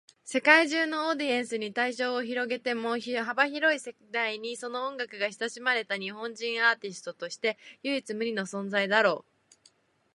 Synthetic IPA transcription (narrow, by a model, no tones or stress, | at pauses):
se̞kaiʑɨːno̞ːd̪ʲiẽɰ̃sɨɲ̟it̪aiɕo̞ːçiɾo̞ɡe̞t̪e̞moːçiɦabaçiɾo̞ise̞d̪aiɲ̟iso̞no̞õŋɡakɯ̟ɡaçi̥saɕimaɾe̞t̪aɲ̟iɦõ̞ɲd͡ʑĩɰ̃aːt̪ʲisɨ̥t̪o̞t̪o̞ɕi̥t̪e̞jɯ̟it͡sɨmɯ̟ɾʲino̞sõ̞nd͡zaid̪aɾo̞ː